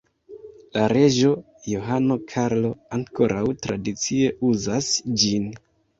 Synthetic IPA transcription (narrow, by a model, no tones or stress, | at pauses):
laɾe̞ʒo̞ | jo̞ɦano̞kʰaɾlo̞aŋko̞ɾʔawtɾadit͡sie̞uzasd͡ʒin